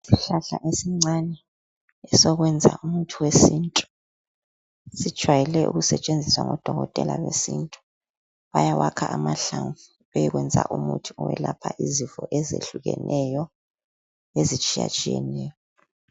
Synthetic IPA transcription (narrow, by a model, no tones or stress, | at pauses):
siɬaɬaʔesiŋ͡ǀanɛː | sɔɣwɛnd͡zʱa̰umutʰuwesintʼu̥ | sid̥ʒ̥ʱwajɛlɛʔṵɣusɛt͡ʃʼend͡zʱiswaŋɔd̥ʱɔɣɔtʼɛlawesintʼu̥ | βajawakʰaʔamaɬaŋfu | βejiɣwɛnd͡zʱa̰ʔumutʰu̥ɔwɛlapʰaʔizifɔʔɛzeɬuɣɛ̰nʔɛjɔ | ezit͡ʃʼija̰t͡ʃʼijɛnɛːjɔ